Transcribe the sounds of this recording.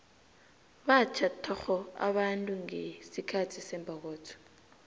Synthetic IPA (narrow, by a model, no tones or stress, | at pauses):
ɓat͡ʃʰatʰɔxɔa̰ɓantʼuŋesikʰatʰisɛmbʱak̬ɔːtʰɔ̥